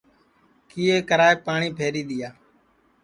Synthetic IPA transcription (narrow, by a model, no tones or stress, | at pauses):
kiːeːkəɾaːeːpaːɳiːpʰeːɾiːɗ̪ɪjaː